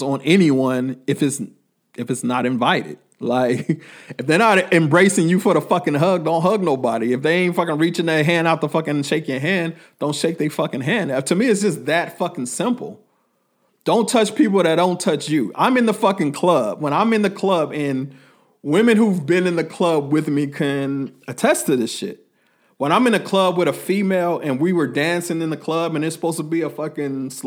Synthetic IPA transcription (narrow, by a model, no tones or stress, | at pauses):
zn̩ɛniwʌ̃nɨfɨts | ɨfɨtsnəɾɨ̃ɱvaɪɾɪ̰d̥̚laɪkɨfðənəɾɨ̃mbɹeɪsɪ̃ŋjɨfəɾəfʌkɪ̃ŋɦʌɡ̚dõʊ̃ntɦʌɡ̚noʊbɑ̰ɾiɨfðeɪẽɪ̃ntfʌkɪ̃ŋɹit͡ʃɪ̃ŋðəɦæ̃ndaʊt̪̚ðəfʌkɨ̃ŋɨ̃nʃeɪkɪ̃ŋəɦæ̃n | d̥õʊ̃nʃeɪk̚ðɨfʌkɪ̃ŋɦæ̃ndʌtʰɨmiɨts̬d̥ʒ̥ʌsðɨtfʌkɪ̃ŋsɪ̃mpl̩ˠ | d̥õʊ̃ntʰʌt͡ʃpʰipl̩ˠðɨt̚d̥õʊ̃ntʰʌt͡ʃjɨʔã̰ɪ̃mɨ̃nðəfʌkɪ̃ŋkʰl̥ʌb̥̚wə̃ɾ̃ãɪ̃mɨ̃nðɨkʰl̥ʌbɨ̃n | wɪ̃mɨ̃nhuvbɪ̃nɨ̃nðɨkʰl̥ʌb̚wɪðmikʰɨ̃nɨtʰɛstɨðɨʃɪ̰t̚ | wə̃ɾ̃ãɪ̃mɨ̃nðɨkʰl̥ʌb̚wɨðəfimeɪlˠɨ̃nwiwə˞dæ̃nsɪ̃ŋɨ̃nðɨkʰl̥ʌbɨ̃nɨtsə̥poʊz̥tʰəbiɨfʌkɪ̃ŋs